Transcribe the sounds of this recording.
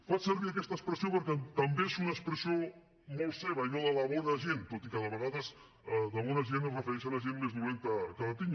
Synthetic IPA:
fat͡ʃsəɾβiəkɛst̪əkspɾəsiopəɾkɛt̪əmbeesunəkspɾəsio | molˠseβ̞əinoðəlɐβɔnəʒent̪ot̪ikəðəβəɣaðəz | ðəβɔnəʒenəzrəfəɾɛʃələʒenmeznuent̪əkələt̪iɲ

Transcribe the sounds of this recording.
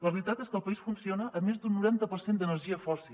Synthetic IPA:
ləβɾit̪at̪eskəlˠpəisfunsionəʔːmːezd̪unːuɾant̪əpəɾsend̪ənəɾʒiəfɔsilˠ

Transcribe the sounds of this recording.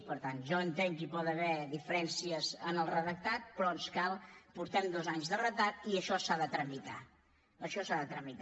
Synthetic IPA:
pəɾt̪anʒɔənt̪eŋkipɔt̪əβɛðifəɾɛnsiəzənəlˠrəðək̚t̪at̪̚pɾɔənskalˠpuɾt̪ɛmd̪ɔzaɲzðərət̪at̪iəʃɔsaðət̪ɾəmit̪a | əʃɔsaðət̪ɾəmit̪

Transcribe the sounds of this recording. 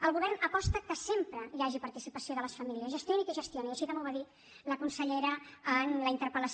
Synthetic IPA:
əlˠɣuβɛrnəpɔst̪əkəsempɾəjaʒipəɾt̪isipəsioðələsfəmiliəzʒəst̪jonikəʒəst̪joniəʃikəmuwəðit̪ | ləkunsəʎɛɾəənləint̪əɾpələs

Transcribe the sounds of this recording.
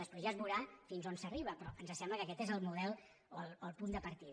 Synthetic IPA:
dəspɾezazβuɾafinzonsəriβəpɾɔʔənzəsɛmbləkəkɛt̪ezəlˠmuðɛlˠ | oəlˠoəlˠpund̪əpəɾt̪ið

